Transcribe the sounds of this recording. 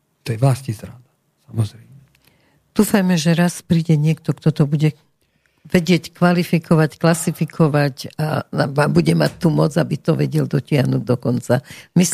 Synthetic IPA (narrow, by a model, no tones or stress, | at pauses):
t̪ɔjɛʋlascizɾad̪a | samɔzɾɛjmɛ | d̪̥uːfajmɛʒɛɾaspɾiːɟɛɲɪɛkt̪ɔkt̪ɔt̪ɔbuɟɛ | ʋɛɟɪɛckʋalifikʰɔʋacklasifikʰɔʋaca̰aʋaːmbuɟɛmac̚t̪ːuːmɔd͡zabit̪ɔʋɛɟɛld̪ɔcɪaɦnuːɟd̪ɔkɔnt͡samis